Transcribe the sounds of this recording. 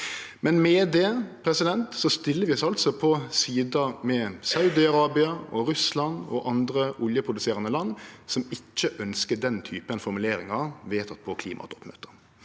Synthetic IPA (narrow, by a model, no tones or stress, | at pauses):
mɛnmɛd̪ɛpʰɾɛsɪd̪ɛnt̪sɔst̪ɪlːəɾʋɪɔsɑlt̪sɔpʰɔsiːd̪əmɛsɑʉd̪ɪɑɾɑːbɪɑɔɾʉslɑnɔ̰ʔɑnd̪ɾəʔʊljəpʰʁʊd̪ʉseːɾɑnəlɑnːsɔmɪt͡ʃːəʔœnskəd̪ɛnt̪ʰyːpənfɔɾmʉleːɾɪŋɑʋeːt̪ɑt̪̚pʰɔkʰliːmʔɑ̰t̪ɔpmø̰ːt̪əʁ